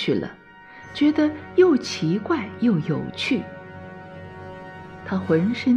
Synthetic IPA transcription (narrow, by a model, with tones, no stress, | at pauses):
y˥˩lə̰˩ | t͡ɕɥɛ˧˥d̪ə˧jo˥˩ʊt͡ɕʰi˧˥kwa˥˩ɪjo˥˩ʊjo˨˩ʊt͡ɕʰy˥˩ | t̪ʰa˥xwə˧˥nʂə˥